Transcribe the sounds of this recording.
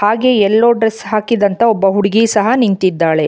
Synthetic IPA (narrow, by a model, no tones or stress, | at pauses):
haːɡe̞ɛlːoːɖɾesɦaːkid̪ɐnt̪ɐɔbːɐɦuɽiɡisɐɦɐniŋt̪id̪ːaːɭe̞